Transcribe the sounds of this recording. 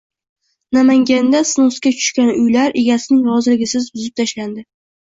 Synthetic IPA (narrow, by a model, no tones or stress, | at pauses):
namaŋɡʲand̪asnoskʲat͡ʃʰʊ̥ʃkʲanʊjlaɾʔeɡʲasɪnɪŋɾɒzɪlɪɡʲɪsɪzbʊzɪp̚t̪ʰaʃland̪ɪ